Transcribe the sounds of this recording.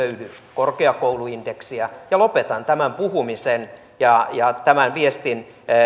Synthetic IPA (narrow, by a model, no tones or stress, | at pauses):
øyly | korkeɑkouluind̥eksiæjɑlopet̪ɑnt̪æmæmpuhumisen | jɑjɑt̪æmænʋiest̪in